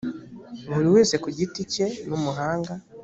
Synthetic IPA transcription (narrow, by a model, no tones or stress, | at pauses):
βuɾiwe̞ːse̞kuɟitice̞numuɦaːŋɡa